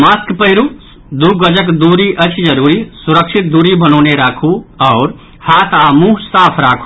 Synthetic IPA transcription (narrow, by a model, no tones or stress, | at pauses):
maːskpəɦɪɾu | d̪uːɡəd͡ʒəkd̪uːɾiʔət͡ʃʰd͡ʒəɾuːɾisʊɾəkʃʰɪt̪̚d̪uːɾibʱənoːneɾaːkʰuɔːɾ | haːt̪ʰaːmuːsaːpʰɾaːkʰu̥